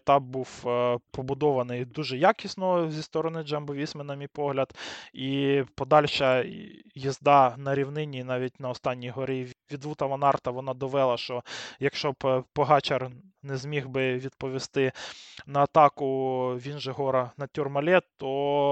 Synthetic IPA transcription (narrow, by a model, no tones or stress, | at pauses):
t̪ɑbbuwpɔbʊd̪ɔʋɐnɪjd̪uʒɛjɑkʲisnɔzʲist̪ɔɾɔnɪd͡ʒɛmbɔʋʲisʲmɪnɐmʲijpɔɦlʲɐd̪ipɔd̪ɑlʲʃɐjizd̪ɑnɐɾʲiwnɪnʲinɑʋʲit̚ʲnɐɔst̪ɑnʲːijɦɔɾɪʋʲid̪ʋut̪ɐʋɐnɑrt̪ɐʋɔnɑd̪ɔʋɛlˠɐʃt͡ʃɔjɐkʃt͡ʃɔppɔɦɑt͡ʃɐr | nɛzmʲiɦbɪʋʲid̪̚pɔʋʲist̪ɪnɐːt̪ɑkʊʋʲinʒeɦɔɾɐnɐtʲurmɐlʲɛt̪ɔ